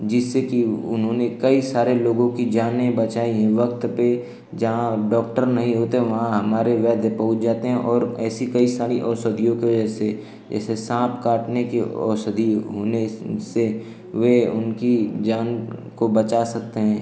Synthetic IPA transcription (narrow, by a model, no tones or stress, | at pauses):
d͡ʒɪsːekiʊnɦõnekɐisaːɾeloːɡõkid͡ʒaːnẽbɐt͡ʃaːiɦɛ̃ʋɐk̚t̪pe | d͡ʒɐɦãɖɔːk̚ʈəɾnɐɦĩɦoːt̪eɦɛ̃ʋɐɦãɦɐmaːɾeʋɛːd̪ʱepɐɦʊt͡ʃd͡ʒaːt̪eɦɛ̃ʔɔːɾɛːsikɐisaːɾiʔɔːsəd̪ʱijõkeʋɐd͡ʒɛse | d͡ʒɛ̰ːsesãːpkaːʈnekeɔ̰ːsəd̪ʱiɦoːnese | ʋeʊ̰nkid͡ʒaːnkobɐt͡ʃasɐk̚t̪eɦɛ̃ː